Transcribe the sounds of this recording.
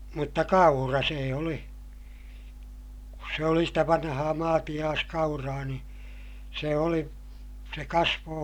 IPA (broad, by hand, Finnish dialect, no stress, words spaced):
mutːɑ kɑurɑ seː oli kus se oli stæ ʋɑnhɑː mɑːtij̆ɑːskɑurɑː ni se oli se kɑsʋoː